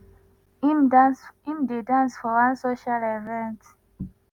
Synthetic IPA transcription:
mĩmdedãnsfɔwãnsoʃalevɛ̃nt

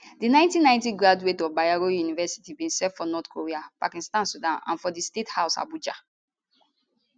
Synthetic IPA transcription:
dinãɪ̃ntĩnːãɪ̃ntiɡɹadwetɔbajaɹojunivɛsi̥tibĩnsɛfɔnɔtkʰoɹiapa̰kĩstãnsudãnã̰nfɔdistethaʊsa̰bud͡ʒa̰

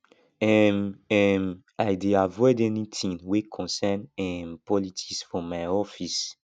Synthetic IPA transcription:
ɛmɛm | ajdeavɔɪdɛnitʰĩŋwikʰɔ̃nsɛnɛ̃mpʰɔlitʰi̥ksfɔ̃majɔfis

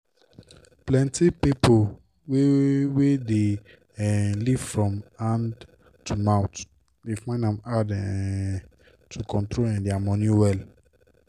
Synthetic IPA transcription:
plɛ̃ntipipo | wewede | ɛliv̥fɹɔ̃mãn | tumãʊ̃t | defãɪ̃ndãmadɛ | tʰukʰɔ̃ntɹolɛ̃ndɛamɔ̃nĩwɛl

